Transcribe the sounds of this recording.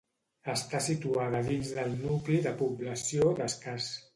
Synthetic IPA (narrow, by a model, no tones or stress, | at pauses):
əst̪asit̪uaðəðinzðəlˠnukliðəpuβləsioðəskas